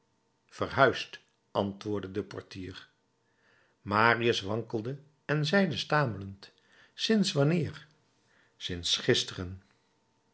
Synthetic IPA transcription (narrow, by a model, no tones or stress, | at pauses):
fərɦœɥst | ɑntʋʊːɹdədəpɔɹtiːɹ | maːriəsʋɑŋkəlˠdə | ɛnzɛjdəstaːmələnt | sɪnsʋɑnɪːɹ | sɪnsχɪstərən